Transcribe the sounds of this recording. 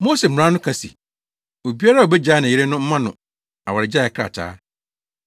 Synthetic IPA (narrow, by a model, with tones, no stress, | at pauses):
mo˦se˨m̩˨ɾã˦nʊ̃˦kʰa˨sḭ˨ | o˨bi˦a˦ɾa˦˨o˨bɛ˦d͡ʑaː˦nã˨ɪ˦ɾe˦nʊ̃˦m̩˦mã˦nʊ̰̃˨ | a˨wa˨ɾɪ˨d͡ʑa˦˨ɛ˨kʰɾa̰˨t͡ɕʰa̰ː˦